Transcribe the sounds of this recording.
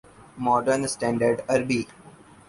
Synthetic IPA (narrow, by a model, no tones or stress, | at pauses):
mɔːɖəɾnsʈɛ̃ːɳɖəɾɖɐɾbi